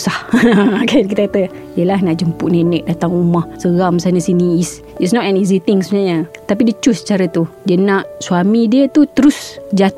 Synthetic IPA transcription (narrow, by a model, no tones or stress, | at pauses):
sahkʰank̬it̪əkat̪ə | diəlahnaʔd͡ʒəmpuʔnenɛk̚dat̪aŋumahsəɣamsanəsiniis | itsnɔtɛnizit̪ɪŋsəbənaɲat̪ap̬idiət͡ʃusət͡ʃaɾat̪udiənaʔsuamidiət̪ut̪əɾʊsd͡ʒat̪